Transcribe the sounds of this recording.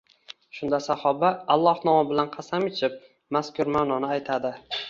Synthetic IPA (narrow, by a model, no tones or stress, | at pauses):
ʃʊnd̪asahɒbaːlˠːɒhnɒmɪbɪlanqʰɑsamɪt͡ʃʰɪp̚ | maskʊɾmanɒnɪajt̪ʰad̪ɪ